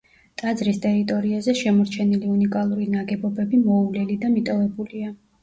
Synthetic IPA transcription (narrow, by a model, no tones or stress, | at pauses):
t̪ʼad̪zɾist̪ʼɛɾit̪ʼɔɾiazɛʃɛmɔɾt͡ʃʰɛniliunikʼalˠuɾinaɡɛbɔbɛbimɔulɛlid̪amit̪ʼɔvɛbulia